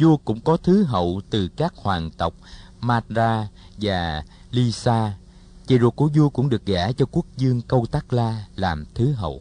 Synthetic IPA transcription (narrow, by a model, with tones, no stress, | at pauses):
zu˧kʊ̰˧˥ŋ͡mkɔ˨˦t̪ʰɨ˨˦ɦə̰˧˨wt̪ɨ˨˩kaː˦˥k̚hwaː˨˩nt̪ə˨˩wk͡p̚maː˧t̚zaː˧ | vaː˨˩ | li˧saː˧ | t͡ɕḭ˧˩zu˨˩kːu˧˩əzu˧kʊ̰˧˥ŋ͡mɗɨ˨˩ək̚ɣaː˧˩t͡ɕɔ˧ku˦˥ək̚zɨ˧əŋkə˧wt̪aː˦˥k̚laː˧laː˨˩mt̪ʰɨ˨˦ɦə̰˧˨w